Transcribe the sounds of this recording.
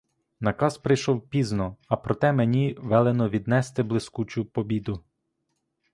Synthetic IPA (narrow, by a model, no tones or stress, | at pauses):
nɐkɑspɾɪjʃɔwpʲiznɔɐpɾɔt̪ɛmenʲiʋɛlˠenɔʋʲid̪nɛst̪ɪblˠɪskut͡ʃʊpɔbʲid̪ʊ